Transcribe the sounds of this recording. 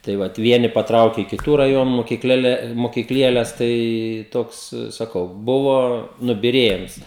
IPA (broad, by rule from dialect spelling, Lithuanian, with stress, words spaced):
tɐɪ ˈʋɐt ˈʋʲiɛnʲɪ pɐˈtrɐʊkʲɛ ɪ kʲɪˈtuː rɐˈjoːnʊ moːkʲɪkˈlʲeːlʲɛ moːkʲɪkˈlʲiɛlʲɛs ˈtɐɪ ˈtoːks sɐˈkɐʊ ˈbʊʋoː nʊbʲɪˈrʲiɛjɪms